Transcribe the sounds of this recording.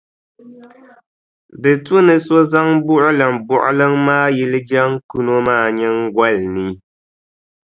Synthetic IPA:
dɨ˨tu˦nɨ˨so˦za˦ŋbʊ˦ʔʊ˦lɨ˨mbʊ˨ʔʊ̰˦lɨ˦ŋmaː˦jɛ˦lɨ˦d͡ʒa˦ŋku˦no˦maː˦˨ɲɛ˦ŋɡwa˦lni˨

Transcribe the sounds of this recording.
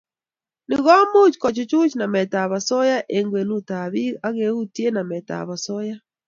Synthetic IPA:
nɪ˨ɣɔ˦mu˦t͡ʃkɔ˨t͡ʃu˦t͡ʃu˦t͡ʃna˨mɛ˨ta˨βa˨sɔ˦ja˦ʔe˨ŋɡwe˨nu˦ta˨βi˦a˦ɣe˨u˦tje˦na˨mɛ˨ta̰˨βa˨sɔ˦ja˦

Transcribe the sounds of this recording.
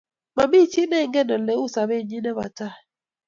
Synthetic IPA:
ma˨mbi˦˨t͡ʃi˦nɛ˦˨ŋɡɛ˦˨nə˨lɛ˨˦u˦˨sa˨be˦˨ɲi˦nɛ˦βa̰˨ta˦

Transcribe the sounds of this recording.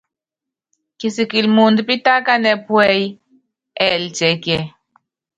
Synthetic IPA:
ki˨si˨ki˨lmu˨ndpi˦ta˦ka˦nɛ˦pwɛ˦j | ɛ˨ld͡ʒɛ˨kɛ˨

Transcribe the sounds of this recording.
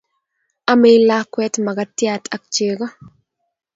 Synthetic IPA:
a˦me˦jla˦kwɛ˦tma˨ɡatjatʰa˨k̚t͡ʃe˨ɡɔ˦

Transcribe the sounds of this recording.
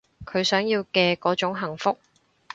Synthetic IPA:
kʰɵ˨˧ɥsœː˨˥ŋjiː˧wkɛː˧kɔː˨˥t͡ʃʊ˨˥ŋɦɐ˨˩ŋfʊ˥k̚

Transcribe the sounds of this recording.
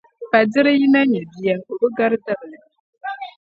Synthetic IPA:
pa˨dɪ˦ɾɨ˦ji˦na˦ɲɛ˨bi˨jɛ˨ŋ˨ʔo˨bɨ˦ɡa˦ɾda˦bɨ˨nɨ˨

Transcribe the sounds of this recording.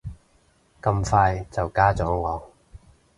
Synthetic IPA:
kɐ˧mfaː˧jt͡sɐ˨wkaː˥t͡sɔː˨˥ŋɔː˨˧

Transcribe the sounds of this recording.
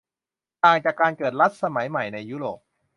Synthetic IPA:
t̪aː˨˩ŋt͡ɕaː˨˩kːaː˧nkɤː˨˩t̪̚ɾa˦˥t̪̚sa˧ma˩˦jma˨˩jna˧jːuː˦˥ɾoː˨˩p̚

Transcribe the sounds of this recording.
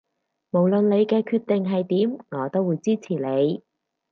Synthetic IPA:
mo˨˩wlɵ˨nle˨˧jkɛː˧kʰyː˧t̪e˨ŋɦɐ˨jt̪iː˨˥mŋɔː˨˧t̪o˥wːuː˨˧jt͡siː˥t͡sʰiː˨˩le˨˧j

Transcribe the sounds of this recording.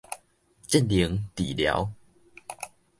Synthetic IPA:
t͡ɕɛ˥˨nli˨˦ŋt̪i˨˩lja̰˨˧˦w

